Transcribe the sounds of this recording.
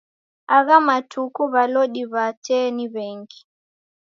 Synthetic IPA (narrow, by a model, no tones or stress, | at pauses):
aɣamatʰukuβalɔɗiβatɛniβɛŋɡi